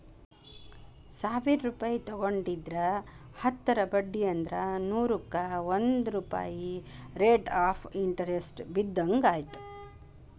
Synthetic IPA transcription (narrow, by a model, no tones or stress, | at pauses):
saːʋiɾɾuːpaːjit̪ɔɡoɳɖid̪ɾɐ | hɐt̪ːɐɾɐbɐɖːijɐnd̪ɾɐnuːɾukːɐʋond̪ɾuːpa̰ːjiɾeːʈaːpʰiɳʈɐɾesʈbid̪ːɐŋɡaːjit̪u̥